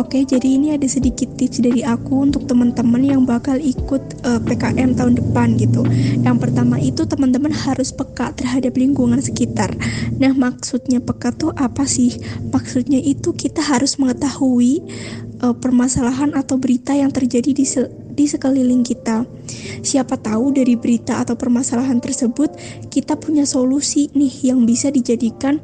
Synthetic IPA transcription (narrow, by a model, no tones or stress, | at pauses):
oked͡ʒadiːniadasədikɪt̪ːɪsdaɾiakuunt̪ʊk̚t̪əmənt̪əmənjaŋbakalikʊt̪̚ʔəpekaʔɛmt̪aɦʊndəpanɡit̪ujaŋpərt̪amait̪ut̪əmənt̪əmənhaɾʊspəkat̪ərɦadapliŋɡuŋansə̥kit̪arnahmaksut̪̚ɲapəkat̪uhʔapasɪhmaksut̪̚ɲaʔit̪ukit̪aɦaɾʊsməŋət̪ahuiʔəpərmasalaɦanat̪awbəɾit̪ajaŋt̪ərd͡ʒadii | disəkəlilɪŋkit̪a | siapat̪audaɾibəɾit̪aːt̪awpərmasalaɦant̪ərsəbʊt̪̚ | kit̪apuɲasolusinɪhjaŋbisadid͡ʒadikan